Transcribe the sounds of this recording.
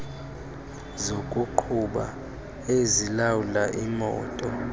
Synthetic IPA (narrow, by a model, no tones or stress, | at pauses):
zokʼuǃʰuɓa̰ | ezilawulaʔimɔ̰ːtʼɔ